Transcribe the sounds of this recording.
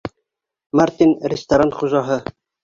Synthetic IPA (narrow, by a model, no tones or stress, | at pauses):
mæɾt̪inɾest̪ɐɾɑnt̪χuʒɑɦɤ